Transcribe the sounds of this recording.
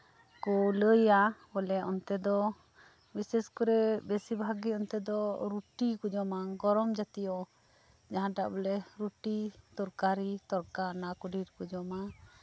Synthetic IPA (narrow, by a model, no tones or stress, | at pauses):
kɔləjabɔlɛʔɔnt̪ɛd̪ɔ | bisɛskɔɾɛbesibʱaɡiɔnt̪ɛd̪ɔɾuʈikud͡ʒɔmaɡɔɾɔmd͡ʒat̪ijɔ | d͡ʒaɦãʈaʔbɔlɛɾuʈit̪ɔɾkaɾit̪ɔɾkanakuɖʱiɾkud͡ʒɔma